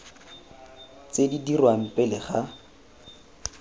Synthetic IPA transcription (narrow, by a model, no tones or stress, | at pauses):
t͡sedidirwam̩pʼɪlɪχa